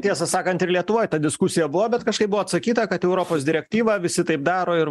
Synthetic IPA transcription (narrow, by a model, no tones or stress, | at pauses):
t̪ʲiɛsɐsɑːkɐnt̪ɪɾlʲiɛt̪ʊʋoːjt̪ɐd̪ʲɪskʊsʲɪjɛbʊʋoːbʲɛt̪kɐʃkɐɪp̚bʊʋɔːɐt̪sɐkʲiːt̪ɐkɐt̪ɛʊɾoːpoːsd̪ʲɪɾʲɛk̚t̪ʲiːʋɐʋʲɪsʲɪt̪ɐɪpd̪ɑːɾoːɪɾ